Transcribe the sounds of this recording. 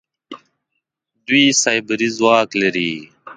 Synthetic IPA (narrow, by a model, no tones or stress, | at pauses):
d̪uiːsajbəɾizwaːkləɾiː